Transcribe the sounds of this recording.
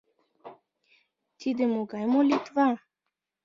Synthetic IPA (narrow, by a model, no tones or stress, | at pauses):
t̪ʲid̪emoɡajmolit̪va